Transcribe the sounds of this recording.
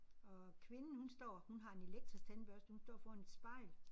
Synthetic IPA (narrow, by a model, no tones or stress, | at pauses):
ɒ̽kʰʋe̝nn̩hunsd̥ɒ̰ːhunɦɑ̈e̝ne̝leɡ̥̚d̥ʁist͡sʰænb̥ɶɐsd̥əhunsd̥ɒ̰ːfɒːhæned̥sb̥ɑ̈ɪ̰l